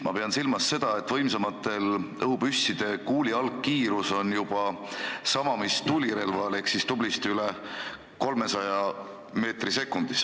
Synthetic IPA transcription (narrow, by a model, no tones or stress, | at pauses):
mɑpe̞ɑnsilmɑsːe̞d̪̥ɑe̞t̪ːˑvɤjms̬emɑt̪ːˑe̞lɤɦubysʲːid̪̥e̞kuːliɑlkːiːɾuso̞njub̥ɑ | sɑmɑmist̪uliɾe̞lvɑle̞hksist̪ub̥list̪yle | ko̞lme̞sɑjɑ | me̞ːt̪rise̞kːˑund̪̥is